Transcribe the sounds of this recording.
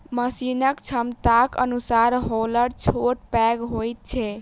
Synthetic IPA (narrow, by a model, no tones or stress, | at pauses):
məsinəkt͡ʃʰəmt̪akə̰nusaɾɦoləɽt͡ʃʰoʈ̚pɛɡɦojt̪̚t͡ʃʰɛ